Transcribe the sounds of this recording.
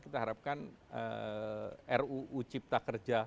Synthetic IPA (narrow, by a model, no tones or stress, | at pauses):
kit̪aɦaɾap̚kan | ə̰ | ʔɛruʔːt͡ʃip̚t̪akərd͡ʒa